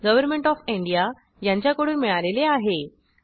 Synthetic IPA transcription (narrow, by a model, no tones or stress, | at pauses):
ɡəʋəɾmeɳʈɔfiɳɖija | jãɲt͡ɕjakəɽuːnmiɭaleleaɦe